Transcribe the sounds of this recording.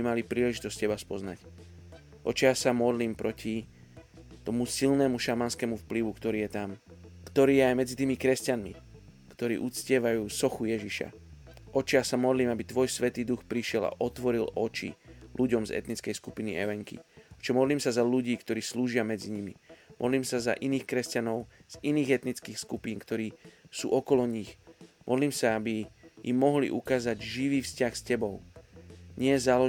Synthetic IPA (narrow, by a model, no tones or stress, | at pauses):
imalipɾiːlɛʒit̪ɔsc̚cɛbaspɔznac | ʔɔt͡ʃiasamɔd̪liːmpɾʔɔci | t̪ɔmusilnɛmuʃamanskɛːmufpliʋukt̪ɔɾiːjɛt̪amkt̪ɔɾiːjɛajmɛd͡zit̪iːmikɾɛscanmḭ | kt̪ɔɾḭːʔut͡scɪɛʋajuːsɔxujɛʒiʃa̰ | ʔɔt͡ʃijasamɔd̪liːmabit̪ʋɔjsʋɛt̪iːd̪uxpɾiʃɪɛla̰ʔɔt̪ʋɔɾilɔt͡ʃḭlʔuɟɔmzɛ̰t̪nit͡skɛjskupinḭɛ̰ʋɛŋkḭɔt͡ʃɛmɔd̪liːmsazaluɟiːkt̪ɔɾiːsluːʒɪamɛd͡ziɲimḭmʔɔ̰d̪liːmsaza̰ʔiniːxkɾɛscanɔʊ | z̥iniːɣɛt̪nit͡skiːxskupiːnkt̪ɔɾiːsṵːʔɔkɔlɔɲixmʔɔd̪liːmsaabijḭmːɔɦlḭʔukaːzaɟʒiʋiːfscaxscɛbɔʊ | ɲɪɛzalɔ